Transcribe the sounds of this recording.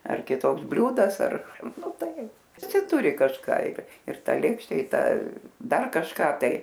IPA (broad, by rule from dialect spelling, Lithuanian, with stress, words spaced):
ɐr kʲɪˈtoːks ˈbʲlʲuːdɐs ɐr ˈnʊ ˈtɐɪ ʋʲɪˈsʲɪ ˈtʊrʲɪ kɐʃˈkɑː ɪr ɪr ˈtɐ ˈlʲeːkʃʲtʲɛ ɪ ˈtɐ ˈdɐr kɐʃˈkɑː ˈtɐɪ